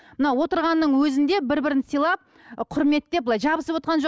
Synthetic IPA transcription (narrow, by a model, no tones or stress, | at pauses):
mənɑwo̞t̪əɾʁɑnːəɴwɵzɪnd̪e̞bɪɾbɪɾɪnsijlˠɑp̚ | qʰʊɾme̞t̪ːe̞pblˠɑjʒɑbəsəpwo̞t̪qʰɑnʒo